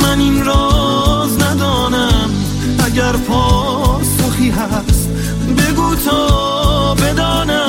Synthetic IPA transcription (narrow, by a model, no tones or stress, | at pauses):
mæninɾɔː | znæd̪ɒːnæm | ʔæɟæɾpʰɒː | ɾsoχiːɦæ | s | be̞ɡuːt̪ʰɔː | be̞d̪ɔːnæ